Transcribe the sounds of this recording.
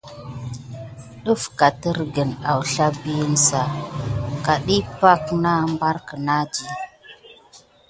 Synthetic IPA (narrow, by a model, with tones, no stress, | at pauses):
ɗu˦fka˨tə˦ɾɡə˨na˨wɬa˦bi˦nsa˨ka˨ɗi˦pa˦kna˦mba˦ɾkə˨na˦d͡ʒi˨